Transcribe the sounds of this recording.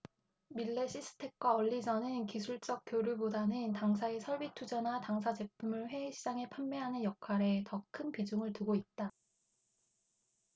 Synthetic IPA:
miɭːe̞ɕʰisʰɯ̥tʰe̞k̚k͈waʌʎːid͡ʑʌnɯnkisʰuɭt͡ɕ͈ʌk̚k͈joɾjubodanɯntaŋs̬ʰaesʰʌɭbitʰud͡ʑanataŋs̬ʰad͡ʑe̞pʰumɯɭɸwe̞ːɕʰid͡ʑaŋe̞pʰammeɦanɯnjʌk̚kʰaɾe̞tʌkʰɯnpid͡ʑuŋɯɭtuɡoit̚t͈a

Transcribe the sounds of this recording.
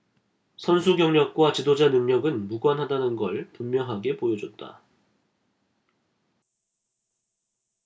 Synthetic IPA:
sʰʌnsʰuɡjʌŋɲʌk̚k͈wat͡ɕidod͡ʑanɯŋɲʌɡɯnmuɡwanɦadanɯnɡʌɭpummjʌŋɦaɡe̞pojʌd͡ʑʌt̚t͈a̰

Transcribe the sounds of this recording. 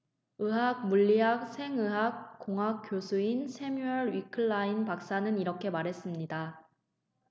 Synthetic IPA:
ɯɦaɡ̚muʎːiɦak̚sʰe̞ŋɯɦak̚k͈oŋɦak̚k͈josʰuinsʰe̞muʌɾɥikʰɯɭːainpak̚s͈anɯniɾʌkʰe̞maɾɦe̞s͈ɯmɲida

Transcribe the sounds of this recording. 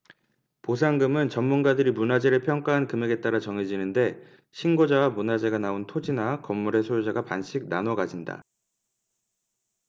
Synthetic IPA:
posʰaŋɡɯmɯnt͡ɕʌmːunɡadɯɾimunad͡ʑe̞ɾɯpʰjʌŋk͈aɦankɯme̞ɡe̞t͈̚aɾat͡ɕʌŋed͡ʑinɯnde̞ | ɕʰinɡod͡ʑawamunad͡ʑe̞ɡanaontʰod͡ʑinakʌmːuɾe̞sʰojod͡ʑaɡapanɕʰik̚nanʌɡad͡ʑinda̰

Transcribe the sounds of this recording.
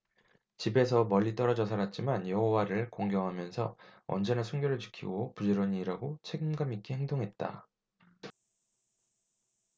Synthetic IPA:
t͡ɕibe̞s̬ʰʌmʌʎːit͈ʌɾʌd͡ʑʌs̬ʰaɾat̚t͡ɕ͈imanjʌɦowaɾɯɭkoŋɡjʌŋɦamjʌnsʰʌ̰ʌ̰nd͡ʑe̞nasʰuŋɡjoɾɯɭt͡ɕi̥kʰḭɡopud͡ʑeɾoɲiːɾaɡot͡ɕʰe̞ɡimɡamik͈eheŋdoŋɦe̞t̚t͈a̰

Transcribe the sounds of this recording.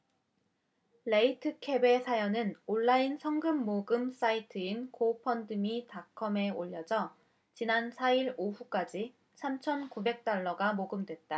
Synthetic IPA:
le̞itʰɯkʰe̞be̞sʰajʌnɯnoɭːainsʰʌŋɡɯmːoɡɯms͈aitʰɯinkʰopʰʌndɯmitakʰʌme̞oʎːʌd͡ʑʌ | t͡ɕinansʰaiɾoɸuk͈ad͡ʑi | sʰamt͡ɕʰʌnkube̞k̚t͈aɭːʌɡamoɡɯmdwe̞t̚t͈a

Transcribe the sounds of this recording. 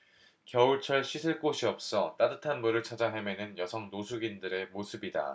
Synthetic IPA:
kjʌuɭt͡ɕʰʌɭɕʰisʰɯɭk͈oɕʰiʌp̚s͈ʌt͈adɯtʰanmuɾɯɭt͡ɕʰad͡ʑaɦemenɯnjʌsʰʌŋnosʰuɡindɯɾe̞mosʰɯbida̰

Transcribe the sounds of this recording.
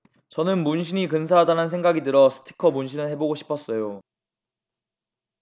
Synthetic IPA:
t͡ɕʌnɯnmunɕʰinikɯns̬ʰaɦadanɯnsʰe̞ŋɡaɡidɯɾʌsʰɯ̥tʰi̥kʰʌmunɕʰinɯɭhe̞boɡoɕʰi̥pʰʌs͈ʌjo

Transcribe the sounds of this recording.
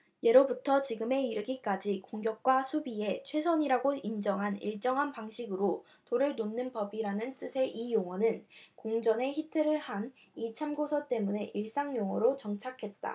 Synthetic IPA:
je̞ɾobutʰʌt͡ɕiɡɯme̞iɾɯɡik͈ad͡ʑikoŋɡjʌk̚k͈wasʰubie̞t͡ɕʰwe̞sʰʌɲiɾaɡoind͡ʑʌŋɦanḭɭt͡ɕ͈ʌŋɦanpaŋɕʰiɡɯɾo | toɾɯɭnonːɯnpʌbiɾanɯnt͈ɯsʰe̞ʔijoŋwʌnɯnkoŋd͡ʑʌne̞çitʰɯɾɯɭhan | it͡ɕʰamɡosʰʌt͈e̞mune̞ʔiɭs͈aŋjoŋʌɾot͡ɕʌŋt͡ɕʰakʰe̞t̚t͈a̰

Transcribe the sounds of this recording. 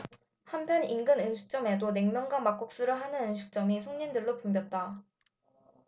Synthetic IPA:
hampʰjʌninɡɯnɯnɕʰu̥k̚t͡ɕ͈ʌme̞done̞ŋmjʌŋɡamak͈ok̚s͈uɾɯɭɦanɯnɯnɕʰuk̚t͡ɕ͈ʌmisʰʌŋɲindɯɭːopumbjʌt̚t͈a

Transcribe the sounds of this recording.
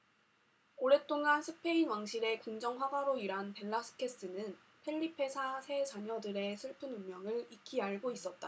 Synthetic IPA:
oɾe̞t͈oŋansʰɯpʰe̞inwaŋɕʰiɾe̞koŋd͡ʑʌŋɸwaɡaɾoiɾanpe̞ɭːasʰɯ̥kʰe̞s͈ɯnɯn | pʰe̞ɭːipʰe̞sʰasʰe̞t͡ɕaɲʌdɯɾe̞sʰɯɭpʰɯnuŋmjʌŋɯɭik͈ʰiaɭɡois͈ʌt̚t͈a

